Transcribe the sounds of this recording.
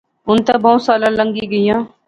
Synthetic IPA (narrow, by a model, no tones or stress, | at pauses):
ʊnt̪aːboːsaːlãːləŋɡiːɡəijãː